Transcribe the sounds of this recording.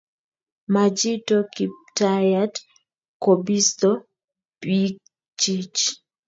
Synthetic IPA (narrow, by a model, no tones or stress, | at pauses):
mad͡ʒitokip̚tajad | kobist̪o | pik̚ | t͡ʃit͡ʃ